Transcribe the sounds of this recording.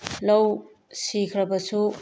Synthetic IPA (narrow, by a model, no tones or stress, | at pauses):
lɐw | sikʰɾɐbɐsu